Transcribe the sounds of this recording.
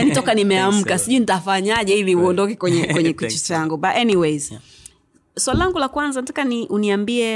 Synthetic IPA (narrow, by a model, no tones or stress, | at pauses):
janitɔkanimɛam̩kasiʄuinitafaɲaʄɛiviuɔndɔkɛkwɛɲɛkwɛɲɛkit͡ʃɛt͡ʃaŋɡubatɛniwejz̥ | swalilaŋɡulakwanzanatakaniʔuniambiɛ